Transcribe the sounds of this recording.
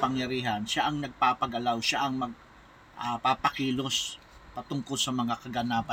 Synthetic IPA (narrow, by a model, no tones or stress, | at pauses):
pɐŋjɐɾiːɦɐnʃaʔɐŋnɐɡ̚paːpɐɡɐlawʃaʔɐŋmɐɡ̚ | ʔapapɐkiːlo̞s | pɐt̪ʊŋkolsɐmɐŋakɐɡɐnaːpɐ